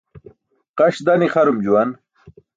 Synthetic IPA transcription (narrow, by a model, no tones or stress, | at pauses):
qɐɕd̪aniχɐɾumd͡ʑuwan